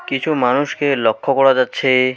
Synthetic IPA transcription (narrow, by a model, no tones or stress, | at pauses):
kit͡ɕʰumanuʃkelɔkʰːokɔɽad͡ʑatːɕʰe